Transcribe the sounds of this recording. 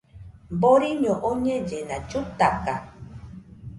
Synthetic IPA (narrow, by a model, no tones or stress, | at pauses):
boɾiɲõʔoɲẽd͡ʒenãt͡ʃut̪aka